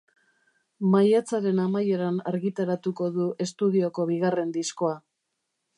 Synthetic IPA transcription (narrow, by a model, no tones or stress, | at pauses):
majat͡saɾe̞namaje̞ɾanaɾɣit̪aɾat̪uko̞ðuʔe̞st̪uð̞io̞ko̞βiɣare̞nd̪isko̞a